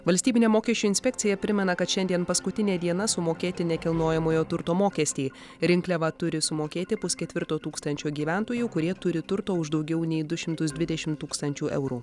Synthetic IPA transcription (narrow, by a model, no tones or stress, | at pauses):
ʋɐlʲsʲt̪ʲiːbʲɪnʲeːmoːkʲiɛʃʲt͡ʃʲuːɪnʲsʲpʲɛk̚ʲtsʲɪjɛpʲɾʲɪmʲɛnɐkɐt̪ʃʲɛnʲd̪ʲiɛnpɐskʊt̪ʲɪnʲeːd̪ʲiɛnɐsʊmoːkʲeːt̪ʲɪnʲɛkʲɪlˠnoːjɛmoːjoːt̪ʊɾt̪oːmoːkʲɛːsʲt̪ʲeː | ɾʲɪŋklʲɛʋɐt̪ʊɾʲɪsʊmoːkʲeːt̪ʲɪpʊskʲɛt̪ʲʋʲɪɾt̪oːt̪uːkst̪ɐnʲt͡ʃʲoːɡʲiːʋʲænt̪oːjuːkʊɾʲiɛt̪ʊɾʲɪt̪ʊɾt̪oːʊʒd̪ɒʊɡʲɛʊnʲɛɪd̪ʊʃʲɪmt̪ʊsd̪ʲʋʲɪd̪ʲɛʃʲɪmt̪uːkst̪ɐnʲt͡ʃʲuːʔɛ̰ʊɾuː